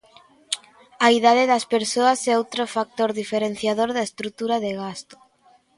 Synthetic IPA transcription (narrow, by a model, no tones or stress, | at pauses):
aiðaðeðɐspeɾsoɐsɛowt̪ɾofak̚t̪oɾðifeɾenθjaðoɾðaest̪ɾut̪uɾaðeɣast̪o̥